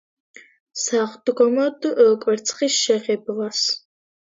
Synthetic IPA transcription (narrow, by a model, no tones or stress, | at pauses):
saχd̪ɡɔmɔd̪ɨʔəkʷʼwɛɾt̪t͡sʰʼχisʃɛʁɛblas